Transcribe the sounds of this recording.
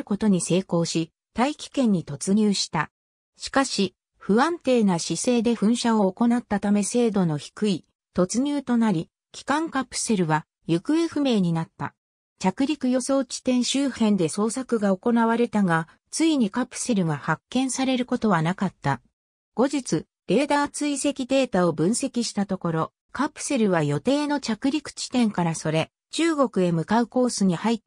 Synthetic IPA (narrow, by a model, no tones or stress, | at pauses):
ɯko̞t̪o̞ɲ̟ise̞ːko̞ːɕi | t̪aikʲi̥kẽ̞ɲ̟ːit̪o̞t͡sɨɲ̟ɨːɕi̥t̪a | ɕi̥kaɕi | ɸɯ̟βãnt̪e̞ːnaɕise̞ːd̪e̞ɸɯ̟̃ɰ̃ɕao̞ːko̞nat̪ːat̪ame̞se̞ːd̪o̞no̞çi̥kɯ̟i | t̪o̞t͡sɨɲ̟ɨːt̪o̞naɾʲi | kʲi̥kãŋkapɯ̟̥se̞ɾɯ̟βa | jɯ̟kɯ̟e̞ɸɯ̟me̞ːɲ̟inat̪ːa̰ | t͡ɕakɯ̟ɾʲikɯ̟jo̞so̞ːt͡ɕi̥t̪ẽ̞ɰ̃ɕɨːhẽ̞nd̪e̞so̞ːsakɯ̟ɡao̞ko̞naβ̞aɾe̞t̪aɡa | t͡sɨiɲ̟ikapɯ̟̥se̞ɾɯ̟ɡahakːẽ̞ɰ̃saɾe̞ɾɯ̟ko̞t̪o̞βanakat̪ːa | ɡ̥o̞ʑit͡sɨ | ɾ̥e̞ːd̪aːt͡sɨise̞kʲid̪e̞ːt̪ao̞bɯ̟̃ɰ̃se̞kʲiɕi̥t̪at̪o̞ko̞ɾo̞ | kapɯ̟̥se̞ɾɯ̟β̞ajo̞t̪e̞ːno̞t͡ɕakɯ̟ɾʲikɯ̟̥t͡ɕi̥t̪ẽ̞ŋkaɾaso̞ɾe̞ | t͡ɕɨːɡo̞kɯ̟e̞mɯ̟kaɯ̟ko̞ːsɨɲ̟ihait̪ː